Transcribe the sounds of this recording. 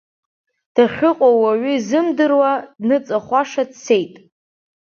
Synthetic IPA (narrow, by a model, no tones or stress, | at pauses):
d̥aχʲʊqʼawaɥʏzɨmdɨrwadnɨt͡sʼaχʷaʂadse̞jtʼ